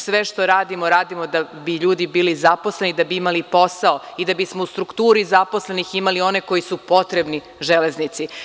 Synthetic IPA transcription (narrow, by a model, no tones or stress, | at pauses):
sʋeʃt̪o̞ɾaːd̪imo̞ɾaːd̪imo̞d̪abiʎuːd̪ibiːlizapo̞sle̞nid̪abiimalipo̞saoid̪abismoust̪ɾukt̪uːɾizapo̞sle̞niximalio̞neko̞jisupo̞t̪ɾebni | ʒele̞znit̪si